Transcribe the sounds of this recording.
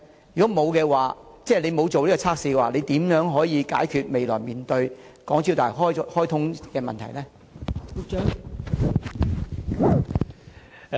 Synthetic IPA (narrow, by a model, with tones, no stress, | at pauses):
jy˨kɔː˨˥mo˨˧wkɛː˧waː˨t͡sɛː˥˩le˨˧jmo˨˧wt͡so˨wliː˥kɔ˧t͡sʰaː˥k̚siː˧kɛ˧waː˨le˨˧jt̪iː˨˥mjœː˨˥ŋɦɔː˨˥jiː˨˧ka̰ː˨˥jkʰyː˧t̚me˨jlɔ̰ː˨˩jmiː˨nt̪ɵ˧ɥkɔː˨˥ŋt͡si˧wt̪aː˨jɦɔː˥jhɔː˥jt̪ʰʊ˥ŋkɛː˧mɐ˨nt̪ʰɐ˨˩jlɛː˥ | u˧k̚t͡ʃœː˨˥ŋ